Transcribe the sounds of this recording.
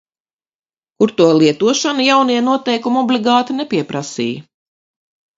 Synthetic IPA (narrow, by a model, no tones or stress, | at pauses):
kuɾt̪uɔlˠiɛt̪uɔʃanjawniɛnuɔt̪ɛjkumɔblʲiɡɑːt̪inɛpʲiɛpɾasḭːj